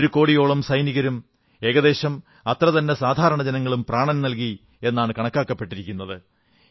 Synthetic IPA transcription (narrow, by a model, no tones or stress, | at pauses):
ɾuko̞ːɽijo̞ːɭɐmsɐjniɣɐɾum | e̞ːɣɐðeːɕɐm | ɐt̪rɐt̪ɐnːesaːd̪ʱaːɾɐɳɐd͡ʑenɐŋːɐɭumpraːɳɐnnɐlk̬i | e̞nːaːɳɨkɐɳɐkːaːkːɐpːe̞ʈːiɾikʲːunːɐðɨ